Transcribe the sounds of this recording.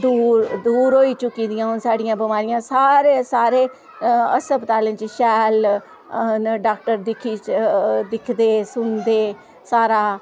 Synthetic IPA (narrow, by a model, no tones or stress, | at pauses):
d̪uːɾd̪uːɾɦoːiːt͡ʃʊkːiːd̪ɪjãːɦʊnsaːɖɪjãːbɪmaːɾɪjãːsaːɾeːsaːɾeː | ə̰səpt̪aːlẽːt͡ʃʃɛːl | ɖaːkʈəɾd̪ɪkʰiːd̪ɪkʰd̪eːsʊnd̪eː | saːɾaː